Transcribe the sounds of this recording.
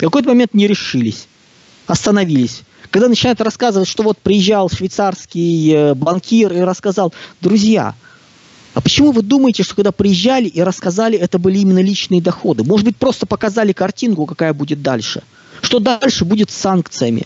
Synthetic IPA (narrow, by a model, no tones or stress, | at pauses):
fkɐko̞jt̪əmɐmʲe̞nt̪nʲɪɾʲɪʂɨlʲɪsʲ | ɐst̪ənɐvʲilʲɪsʲ | kɐɡd̪anət͡ɕɪnajʊt̪rɐskazɨvətʲʂt̪o̞vo̞t̪̚pɾʲɪjɪʑːalˠʂvʲɪjt̪sarskʲɪjbɐnkʲiriɾəskɐzalˠd̪ɾʊzʲja̰ | ɐpət͡ɕɪmuvɨd̪uməjɪtʲɪʂt̪okɐɡd̪apɾʲɪjɪʑːælʲɪʔiɾəskɐzalʲɪɛt̪əbɨlʲɪimʲɪnːəlʲit͡ɕnɨjəd̪ɐxo̞d̪ɨmoʐɨd̪bɨt̚ʲpɾo̞st̪əpəkɐzalʲɪkɐrtʲinkʊkɐkajəbudʲɪt̪̚d̪a̰lʲʂɨ̰ | ʂt̪o̞d̪alʲʂɨbudʲɪt̪sankt̪sɨjəmʲɪ̰